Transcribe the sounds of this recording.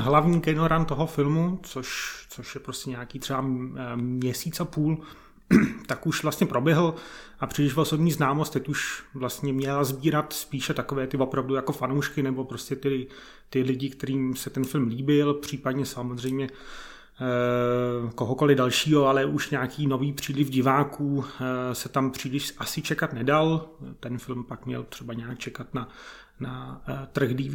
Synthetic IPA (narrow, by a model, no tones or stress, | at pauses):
ɦlavɲiːɡɛnoɾant̪oɦofɪlmut͡soʃt͡soʃjɛpɾoscɛɲaːkiːt̪r̥ɛba | ɲɛsiːtt͡sapuːl | t̪akuʃvlast̪ɲɛpɾo̞bjɛɦl̩ʔapr̥iːlɪʃvoso̞bɲiːznaːmost̪ːɛcuʃvlast̪ɲɛmɲɛlazbiːɾat̪spiːʃɛt̪akovɛːt̪ɪvo̞pɾavdujako̞fanowʃkɪnɛbo̞pɾo̞scɛt̪ɪ | t̪ɪlɪɟɪkt̪ɛɾiːmsɛt̪ɛnfɪlmliːbɪlpr̝̥iːpadɲɛsamozr̝ɛjmɲɛ | ko̞ɦoko̞lɪdalʃiːɦo̞alɛʔuʃɲaːkiːno̞viːpr̝̥iːlɪfɟɪvaːkuːsɛt̪ampr̥iːlɪʃʔasɪt͡ʃɛkat̪nɛdalt̪ɛnfɪlmpakmɲɛ̰lt̪r̝̥ɛbaɲɛaːk̚t͡ʃɛkat̪na | nat̪r̩ɣdiː